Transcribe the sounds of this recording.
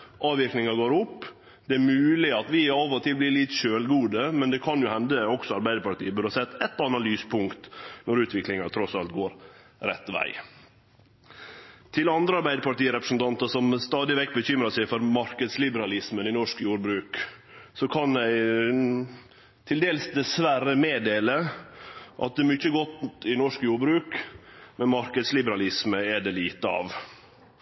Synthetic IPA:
ʔɑːʋɪɾknɪŋɑɡoːɾʊpː | d̪̥ɛæɾmʉːlɪɑt̪ʋɪɑʋɔt̪ʰɪlblɪlɪt̪ʃøːlɡuːd̪əmɛnd̪ɛkʰɑnjʊhɛnd̪əɔksɔɑɾbæɪd̪əɾpɑʈ̪ḭːəbʉd̪əhɑsɛt̪ːɛt̪ːɑnɑlyːspʰʊŋkt̪nɔɾʉːt̪ʰʋɪklɪŋɑt̪ʰɾɔsɑlt̪ɡoːɾ | ɾɛ̰t̪ːʋæ̰ɪ | t̪ʰɪlɑnd̪ɾəɑɾbæɪd̪əpɑʈiːəɾɛpɾəsn̩t̪ʰɑnt̪əsɔmst̪ɑːd̪ɪʋɛkːbəçʏmɾɑsæɪfɔɾmɑɾkəd̪slɪbəɾɑlɪsmənɪnɔʂkjuːɾbɾʉːk | sɔkʰɑnæɪ | t̪ʰɪld̪eːlsd̪ɛsʋæɾəmeːd̪eːlə | ʔɑ̰t̪̚d̪ɛmʏçːəɡɔt̪ɪnɔʂkjuːɾbɾʉːkmɛnmɑɾkəd̪slɪbəɾɑlɪsməɛɖɛliːt̪əɑ̰ʋ

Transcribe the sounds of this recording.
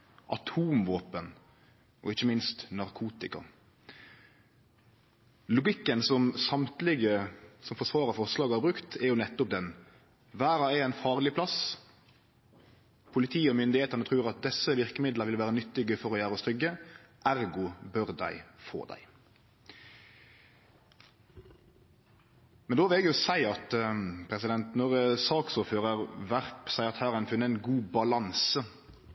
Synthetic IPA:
ʔɑt̪ʰuːmʋoːpən | ʔɔɪçːəmɪnst̪nɑʁkʰuːt̪ɪkɑ̰ | lʊɡɪkːənsɔmsɑmt̪lɪɡəsɔmfɔʁʂʋɑːɾəfɔʁʂlɑːɡhɑːɾbɾʉkt̪ʰɛɾjʊnɛt̪ːʊp̚d̪ɛn | ʋæːɾɑɛæɪnfɑːʁlɪpʰlɑs | pʰʊlɪt̪ʰiːəɔmʏnd̪ɪheːt̪ənət̪ʰʁʉːʁɑt̪̚d̪ɛsːəʋɪʁkəmɪd̪ləɾʋɪlʋæːʁənʏt̪ːɪɡəfɔɾɔjæːɾəɔst̪ɾʏɡːəʔæɾɡʊbœʁd̪æ̰ɪfo̰ːd̪æ̰ɪ | mɛnd̪oːʋɪlɛɡjʊsæɪɑt̪pʰɾɛsɪd̪ɛnt̪nɔʁsɑːksʊːɾføːʁəʁʋæʁpsæɪɑt̪hæːɾɛɪnfʉnːəɛnɡuːbɑlɑnsə

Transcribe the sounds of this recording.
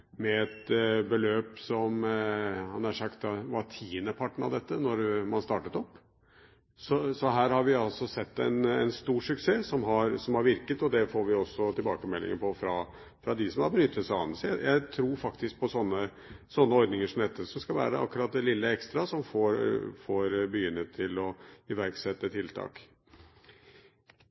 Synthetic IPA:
mɛɛt̪bəløːpsɔm | hɑnæʂɑkt̪ʋɑt̪ʰiːnəpʰɑʈːɳ̩ɑ̰ʋd̪ɛt̪ːənɔɾmɑnst̪ɑːʈət̪ɔpː | sɔsɔɦæːɾhɑɾʋɪɑlsɔsɛt̪ːɛnɛ̰nst̪uːʂʉkseːsɔmɦɑɾsɔmhɑɾʋɪɾkət̪ɔd̪ɛfoːɾʋɪɔsːɔt̪ʰɪlbɑ̰ːkəmɛlːɪ̰ŋənpʰɔfɾɑ | fɾɑd̪ɪsɔmhɑɾbənʏt̪ʰːət̪sæɑ̰nəsjæɪt̪ʰɾuːɾfɑkt̪ɪsk̚pʰɔsɔnːə | sɔnːəɔɾd̪nɪŋəʂɔm̩d̪ɛt̪ːəsɔmskɑlʋæ̰ːɾəʔɑ̰kːʉɾɑt̪̚d̪ɛlɪlːəɛkst̪ɾɑsɔmfoːɾfoɾbəjʏnːət̪ʰːɪlɔɪʋæɾɡsɛt̪ːət̪ʰɪlt̪ʰɑ̰ːk

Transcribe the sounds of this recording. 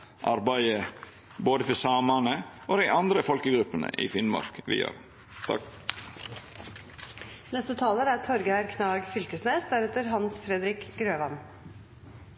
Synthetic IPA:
ʔɑ̰ɾbæɪə | boːd̪əfɔsɑːmɑnəʔoːd̪æɪʔɑnd̪ɾəfɔlkəɡɾʉpːənə̰ʔḭːfɪnmɑ̰ɾkʋɪ̰ːjø̰ːɾ | t̪ʰ | nɛst̪ət̪ʰɑːləɾæːt̪ʰɔɾɡəhæɾkʰnɑːɡfʏlkəsneːsd̪æɾɛt̪əɾɦɑnsfɾɛd̪ɾɪkɡɾøːʋɑn

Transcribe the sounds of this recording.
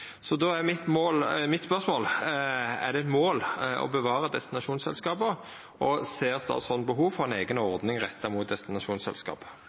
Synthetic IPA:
sɔd̪oæmɪt̪moːlmɪt̪spœʁsmoːl | ɛ̰d̪ɛɛt̪moːlɔ̰bəʋɑːʁəd̪ɛst̪ɪnɑʃuːnsɛ̰lskɑːpə | ʔɔseːst̪ɑ̰ːt̪sɔd̪bəɦuːʋfɔʁɛneːɡənɔʁd̪nɪŋʁɛt̪ʰːɑmut̪̚d̪ɛst̪ɪnɑʃuːnsɛ̰lskɑ̰ːp

